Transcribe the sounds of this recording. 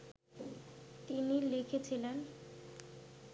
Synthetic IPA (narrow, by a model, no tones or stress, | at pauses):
t̪inilekʰet͡ɕʰilen